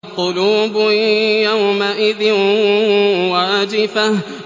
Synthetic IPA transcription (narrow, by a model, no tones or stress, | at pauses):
qʊluːbʊjawmaʔɪða | waːd͡ʒɪfah